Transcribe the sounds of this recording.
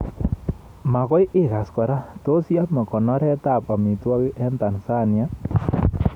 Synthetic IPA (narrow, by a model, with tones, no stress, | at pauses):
ma˨kɔ˦jʔe˦˨ka˨skɔ˨ɾa˦to˦sja˦tma˨kɔ˨nɔ˦ɾɛ˦ta˦˨pa˨mi˨twɔ˦ki˦ʔɛ˦nta˨nsa˦˨nja˦